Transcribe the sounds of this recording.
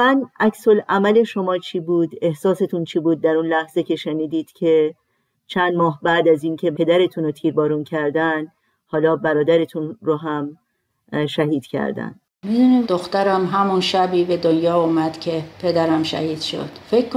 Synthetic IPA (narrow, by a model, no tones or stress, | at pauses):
mænækso̞læmæle̞ʃo̞mɒːt͡ʃʰiːbuːd̪e̞hsɒːse̞t̪ʰunt͡ʃʰiːbuːd̪̚ːæɾunlæhz̥ecʰe̞ʃeniːd̪iːd̪̥cʰe̞ | t͡ʃʰænd̪mɒːɦbæːd̪æziːncʰe̞e̞d̪æɾe̞t̪ʰunot̪ʰiːɾbɒːɾuncʰæɾd̪æn | hɒːlɒːbæɾɒːd̪æɾe̞t̪ʰunɾoɦæm | ʃæɦiːd̪̥cʰæ̰ɾd̪æ̰nd̪̥ | mid̪unimd̪oxt̪æɾæmɦæmunʃæbiːbed̪onjɒːuːmæd̪̥cʰepʰe̞d̪æɾæmʃæ̰hiːd̪̥ʃo̰d̪̥fekʰː